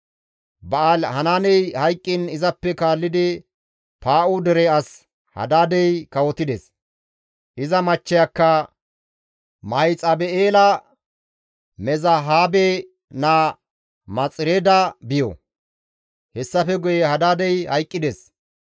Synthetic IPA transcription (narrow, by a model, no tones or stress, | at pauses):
bɐalhɐnaːnɛjhɐjkʼːɪnɪzɐpːɛkaːlːɪd̪ɪ | paːʔʊd̪ɛɾɛɐs | hɐ̰d̪aːd̪ɛjkɐwɔt̪ɪd̪es | ʔɪzɐmɐt͡ʃːɪjakːɐ | mɐjt͡sʼɐbɛeːlɐ | mɛzɐɦaːbe | naː | mɐt͡sʼɪɾeːd̪ɐbɪjɔ̰ | hɛsːɐfɛɡʊjɛhɐd̪aːd̪ɛjhɐjkʼːɪd̪ɛs